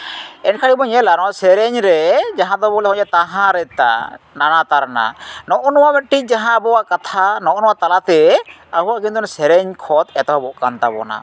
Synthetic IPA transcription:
ɛnkʰaɽibɔɲɛlaɾɔsɛɾɛɲɾɛd͡ʒaɦãd̪ɔbɔlɛɔ̃ɲɛt̪aɦãɾɛt̪a̰nanat̪aɾna̰nɔʔɔnɔwamɛt̪̚ʈic̚d͡ʒaɦãbɔwaʔkat̪ʰanɔʔɔnɔwaʔt̪alat̪ɛaɦuwaʔkint̪ɔnɔsɛɾɛɲkʰɔt̪ɛt̪ɔwabɔʔkant̪abɔ̰na̰

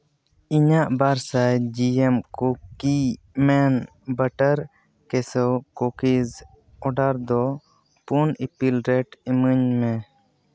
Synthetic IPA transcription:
iɲaʔbaɾsajd͡ʒiɛmkɔki | mɛn | bəʈəɾ | kɛsɔkokiz | ɔɖaɾd̪ɔ | punipilɾɛʈiməɲmɛ

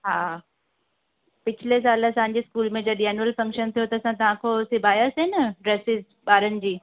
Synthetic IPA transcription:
ɦaː | pɪt͡ɕʰɪles̬aːləsãɦɲ̆d͡ʑeskuːlmẽd͡ʑɐɗiaːnəlfɐ̃ŋkʃənt̪ʰijot̪ɐːsãt̪ɐʋ̤ãkʰosɪbʱaːjasenɐɖɾeːsɪz | ɓaːɾənɪ̆d͡ʑiː

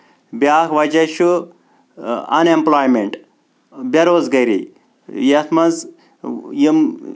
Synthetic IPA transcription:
bʲaːkʋɐd͡ʒɐʃu | ɐ̰nemplaːjmeɳʈ | bʲɐɾoːzɡɐɾḭ | jɐt̪ʰmɐz | jim

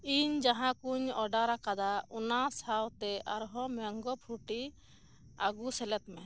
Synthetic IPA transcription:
iɲd͡ʒaɦãkuɲɔɖaɾakad̪aunasawt̪ɛʔaɾɦɔmɛŋɡɔpʰuɾʈi | aɡusɛlɛt̪mɛ

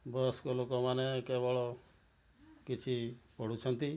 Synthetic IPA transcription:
bɔskɔlokɔmanekebɔɭɔ | kit͡ʃʰipɔɽ̤ut͡ʃʰɔnt̪i

